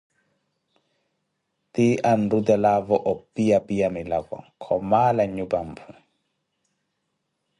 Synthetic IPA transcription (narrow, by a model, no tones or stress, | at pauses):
t̪iʔan̩dutɛlavɔʔɔpiapiamɪlakɔ̰kʰɔmalaɲubam̩pʰu